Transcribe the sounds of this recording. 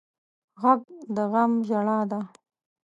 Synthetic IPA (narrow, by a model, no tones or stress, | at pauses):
ɣaɡd̪əɣamʒaɽɑd̪a